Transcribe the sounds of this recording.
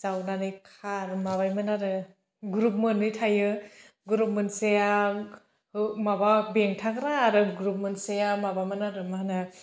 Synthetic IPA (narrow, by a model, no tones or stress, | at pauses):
t͡ʃawnanɯjkʰaɾmaβajmanaɾɯ | ɡuɾup̚mɯnɯjtʰajɯ | ɡuɾup̚mɯnseja | mababeŋtʰakɾaːɾɯɡɾup̚mɯnsejamabamanaɾɯmaɦanɯ